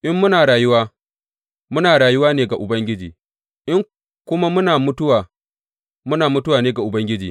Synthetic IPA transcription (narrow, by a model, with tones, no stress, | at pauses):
ʔɪ˦mːʊ˦naː˨ɽaː˨jʊ˦waː˦ | mʊ˦naː˨ɽaː˨jʊ˦waː˦neː˨ɡa˨ʔʊ˨bɐ˦ŋɡʲɪ˦d͡ʒiː˨ | ʔɪ˦ŋ | kʷʊ˦ma˦mʊ˦naː˨mʊ˦tʊ˦waː˨ | mʊ˦naː˨mʊ˦tʊ˦waː˨neː˦ɡa˨ʔʊ˨bɐ˦ŋɡʲɪ˦d͡ʒiː˨